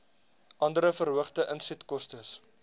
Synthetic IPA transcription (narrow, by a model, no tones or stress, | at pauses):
ʔɐndəɾəfərɦəχtəʔənsɛtkɔstəs